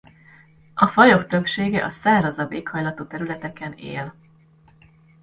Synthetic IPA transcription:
ɒfɒjo̞kt̪ø̞pʃeːɡɛʔɒsaːrɒzɒbeːkhɒjlɒt̪oːt̪ɛɾylɛt̪ɛkɛnḛːl

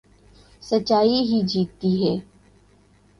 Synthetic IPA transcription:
sət͡ʃːaːiɦid͡ʒiːt̪ːiɦɛː

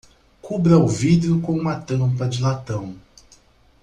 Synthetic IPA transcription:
kubɾɐʊvid̪eʊkõũmɐt̪ɐ̃mpɐd͡ʒɪlat̪ɐ̃w̃

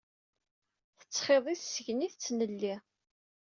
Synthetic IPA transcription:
θə̥t͡sːχeðˤissəʝniθət͡sːnəlːi

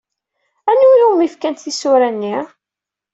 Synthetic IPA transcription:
ænulunifkænt̪θisʊɾænːiʁ

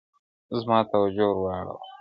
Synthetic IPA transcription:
zmɑːt̪awad͡ʒoɾwɑɽo̰w

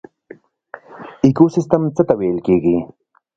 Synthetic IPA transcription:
ɪkusɪst̪amt͡sat̪aweːlkiki

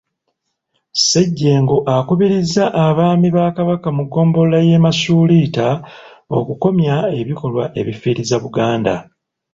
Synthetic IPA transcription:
se̞ɟːe̞ːŋɡo̞ʔakuβiɾizːaʔːβaːmiβaːkaβakamuɡːo̞ːmbo̞llaje̞ːmasuːlitao̞̰kuko̞mjae̞βiko̞lwaʔe̞̰βifiːɾizaβuɡaːnda̰

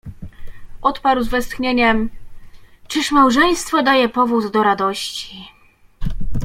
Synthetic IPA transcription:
ʔɔt̪paɾwzvɛst̪xɲeɲɛm | t͡ʂɘʂmawʐɛj̃st̪fɔd̪ajɛpɔvuzd̪ɔɾad̪ɔɕt͡ɕi

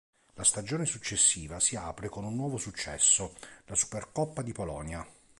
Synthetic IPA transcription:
last̪ad͡ʒoːnesut͡ʃːesːiːvasiaːpɾekonunːwɔːvosut͡ʃːɛ̰sːolasu̥perkɔpːad̪ipolɔnja

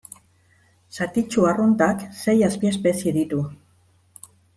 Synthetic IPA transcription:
sat̪it͡ʃuarunt̪akse̞jaspiespe̞sieðit̪u

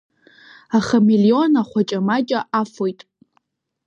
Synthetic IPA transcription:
aχamilio̞naχʷat͡ʃʼamat͡ʃʼaʔafojtʼ

